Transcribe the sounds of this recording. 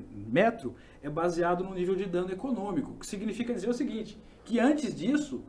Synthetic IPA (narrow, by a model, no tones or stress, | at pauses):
mɛt̪ɾʊ | ɛbaziad̪ʊnʊ̃nivewd͡ʒɪd̪ɐ̃nʊekonõmikʊkɪ̥siɡnifikɐd͡ʒizeɾʊsɪɡĩnt͡ʃɪ̥ | kɪɐ̃t͡ʃɪzd͡ʒisʊ